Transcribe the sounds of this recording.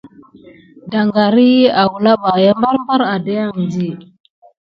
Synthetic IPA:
da˨ŋɡa˨ɾi˦a˨wu˨la˦ɓa˨ja˦mba˦ɾmba˦ɾa˨da˦ja˦˨ŋ˨nd͡ʒi˦˨

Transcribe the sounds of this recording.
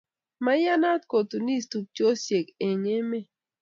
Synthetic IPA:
ma˦ja˦na˦tko˨tu˨ni˦˨stu˨k̚t͡ʃjo˦sje˨ke˨ɲe˦me˦

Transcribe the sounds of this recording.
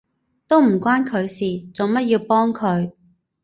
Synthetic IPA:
t̪o˥wm̩˨˩kʷaː˥nkʰɵ˨˧ɥsiː˨t͡so˨˧ŋmɐ˥t̚jiː˧wpɔː˥ŋkʰɵ˨˧ɥ

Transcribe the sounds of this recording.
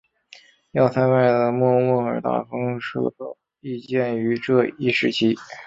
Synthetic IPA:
jɑ˥˩ʊt̪ʰa˥ma˥˩ɪd̪ə˩mwɔ˥˧mɔ˥˩ə˞˨˩t̪a̰˥˩fɤ˥ŋʂɤ̰˥˩t̪o˥ | i˥˧t͡ɕjɛ˥˩ny˧˥ʈ͡ʂɤ˥˧i˥˩ʂɻ̩˥˩t͡ɕʰi˥

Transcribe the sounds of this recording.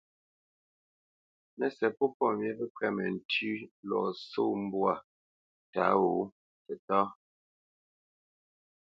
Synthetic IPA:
nɛ˨sɛ˨pɔ˦pɔ˦˨mjɛ˦bɛ˦kwɛ˦˨mɛ̰˨n̩˨tʉ˦lɔ˨so˦m̩˦bwa˨ | ta̰˨˦wo˨˦ | tɛ˨tɔ˦

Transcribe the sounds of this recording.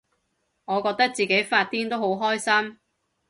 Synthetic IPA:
ŋɔː˨˧kɔː˧k̚t̪ɐ˥k̚t͡siː˨˩ke˨˥jfaː˧t̚t̪iː˥nt̪o˥wɦo˨˥wɦɔː˥jsɐ˥m

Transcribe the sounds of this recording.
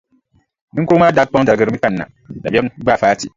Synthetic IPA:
nɨ˦ŋkoː˦maː˦da˦k͡pa˦ŋ˦da˨ɾɡɨ˦ɾɨ˦mi˦ka˦nː˦˨a̰˨ | da˨bɛ˦ɡ͡baː˦˨faː˦ti˨

